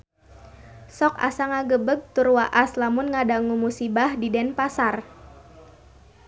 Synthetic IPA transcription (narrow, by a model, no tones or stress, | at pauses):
sɔka̰saŋaɡəbəɡ̚t̪urwaʔaslamʊnŋadaŋumusibahdidɛnpasar